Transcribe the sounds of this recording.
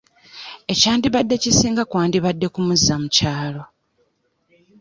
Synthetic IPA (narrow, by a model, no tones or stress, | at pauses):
e̞caːndiβadːe̞cisiːŋɡakwaːndiβadːe̞kumuzːamucaːlo̞